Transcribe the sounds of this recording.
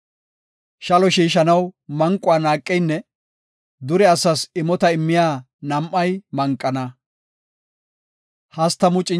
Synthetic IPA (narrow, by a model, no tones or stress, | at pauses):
ʃɐlɔʃiːʃɐnɐwmɐŋkʼːʊaːnaːkʼːɛjnːɛ | d̪ʊɾɛɐsɐsɪmɔt̪ɐɪmːɪjaː | nɐmʔːɐjmɐŋkʼːɐnɐ | hɐst̪ːɐmʊt͡ʃʼɪ